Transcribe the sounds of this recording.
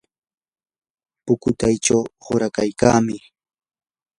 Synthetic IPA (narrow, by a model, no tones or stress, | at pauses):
pʊkʊt̪ajʈ͡ʂawɢʊɾakajka̰ːmɪ